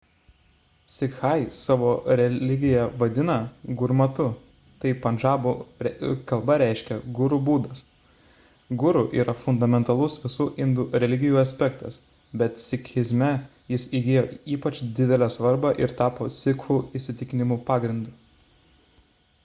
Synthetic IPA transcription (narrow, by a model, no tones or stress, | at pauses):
sʲɪkxɐɪsɑːʋoːɾʲɛlʲɪɡʲɪjɛʋɐd̪ʲɪnɐɡʊɾmɐt̪ʊ | t̪ɐɪpɐnʒɑːbuːɛkɐlˠbɐɾʲæˑɪʃʲkʲɛɡʊɾubuːd̪ɐs | ɡʊɾuʔḭːɾʔɐfʊnd̪ɐmʲɛnt̪ɐlˠʊsʋʲɪsuːʔɪnd̪ʊɾʲɛlʲɪɡʲɪjuːɐsʲpʲɛkt̪ɐs | bʲɛt̪sʲɪkʲɪzʲmʲɛ | jɪsiːɡʲeːjoːiːpɐt͡ʃd̪ʲɪd̪ʲɛlʲæːsʋɐɾbɑʔɪɾt̪ɑːpoːt̪sʲɪkxuːɪʃʲsʲɪt̪ʲɪkʲɪnʲɪmuːpɑːɡɾʲɪnd̪uː